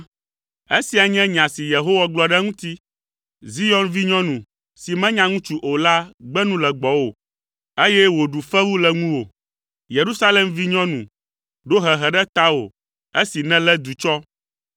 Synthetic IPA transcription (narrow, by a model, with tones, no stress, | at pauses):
e˦si˨a˨ɲɛ̃˦ɲ˨ã˨si˨je˨ɦo˦wa˦ɡ͡blɔ˨ɖɛ˦ŋũ˦t̪i˦ | zi˦jɔ˦nvi˦ɲɔ̃˦nũ˨ | si˨mɛ̃˦ɲã˦ŋũ˦t͡ʃu˦ʔo˨la˦ɡ͡bɛ˦nũ˦lɛ˨ɡ͡bɔ˨wo˨ | e˦jɛ˦wo˨ɖu˨fɛ˦wu˦lɛ˨ŋũ˦wo˨ | je˨ɾu˦sa˦lɛ˨mvi˦ɲɔ̃˦nũ˨ | ɖo˦ɦɛ˨ɦɛ˨ɖɛ˦t̪a˦wo̰˨ | e˦si˨nɛ̃˦lɛ˦d̪u˨t͡ʃɔ˦